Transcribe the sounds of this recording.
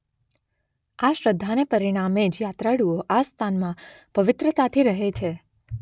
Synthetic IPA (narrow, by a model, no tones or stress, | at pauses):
aʃɾəd̪ʱːanepəɾiɽ̃amed͡ʒjat̪ɾaɽuoʔast̪ʰanmã | pəʋɪt̪ɾət̪at̪ʰiɾəɦet͡ʃʰe